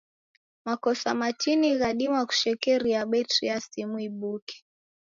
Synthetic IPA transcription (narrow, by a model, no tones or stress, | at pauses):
makɔsamatʰiniɣaɗimwaku̥ʃɛkɛɾiaɓɛtɾiasimuiɓukɛ̥